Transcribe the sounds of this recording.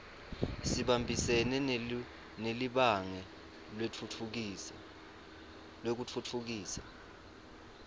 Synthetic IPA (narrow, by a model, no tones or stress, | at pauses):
siɓambʱisɛnɛ | neliɓaŋɛ | eu | lek̬ut͡fʰutʰuk̬iːsḁ̰